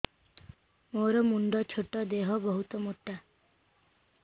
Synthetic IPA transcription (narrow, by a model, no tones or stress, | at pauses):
moɾɔmuɳɖɔt͡ʃʰoʈːɔd̪eɦɔbɔɦut̪ɔmuʈːa